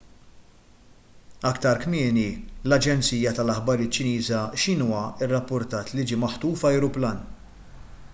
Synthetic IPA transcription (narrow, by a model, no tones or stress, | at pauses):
ɐkt̪ɐɾkmɪːnilɐd͡ʒɛnt͡siːjɐt̪ɐlɐħbɐɾɪːt̪ːt͡ʃːɪniːzɐʃɪnuːwɐɪrːɐpːʊɾt̪ɐːt̪lid͡ʒiːmɐħt̪uːfɐjɾʊplɐːn